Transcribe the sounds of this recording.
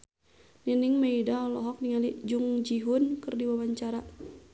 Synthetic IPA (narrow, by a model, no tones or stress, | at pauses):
ninɪŋmeidalɔɦɔk̚niŋaliʔd͡ʒuŋd͡ʒiɦunkɨrdiwawaɲt͡ʃaɾa